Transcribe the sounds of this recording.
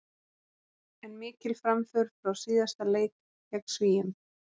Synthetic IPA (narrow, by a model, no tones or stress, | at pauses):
ɛnmɪːcɪlfɾamfʏɾfɾawsiːðast̪aleːjt̪ | cɛksviːjɪm